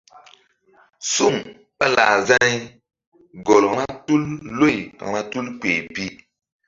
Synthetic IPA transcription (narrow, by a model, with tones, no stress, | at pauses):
su˦˨ŋ | ɓa˦la˨za˦i˦ | ɡo˨lna˦tu˦lːo˦˨ja̰˨na˦tu˦lk͡pe˨pi˦